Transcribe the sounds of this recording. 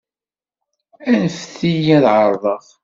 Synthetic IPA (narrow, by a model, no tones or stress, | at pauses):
ænəfθijæðʕəɾˤðˤəθ